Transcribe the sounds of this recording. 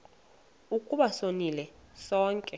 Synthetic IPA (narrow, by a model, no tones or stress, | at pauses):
ukʼuɓasonilɛsɔːŋkʼɛ